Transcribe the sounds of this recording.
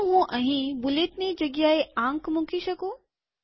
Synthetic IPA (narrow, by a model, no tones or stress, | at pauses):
ɦũʔɐɦĩbʊleːt̪nid͡ʑɐɡjaːeãːŋkmʊ̃kʰiʃɐkoː